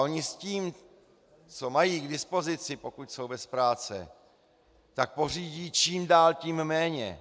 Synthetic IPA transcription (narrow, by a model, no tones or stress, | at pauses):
ʔo̞ɲɪsciːm | t͡so̞majiːɡdɪspo̞zɪt͡sɪpo̞kucso̞wbɛspɾaːt͡sɛ̰ | t̪ak̚po̞r̝iːɟiːt͡ʃiːmdaːlciːmmɛːɲɛ̰